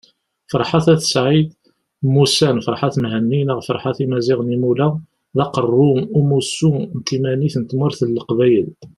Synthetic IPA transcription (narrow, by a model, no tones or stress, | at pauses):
fəɾˤħaθæθə̥sʕid̪ | musænfəɾˤħaθmɦənːinəʁfə̰ɾˤħaθimæzɪʁnimulæ | ðɑqərˤːʊumusːunt̪imæniθnət̪mʊɾθəlːəqvæjəl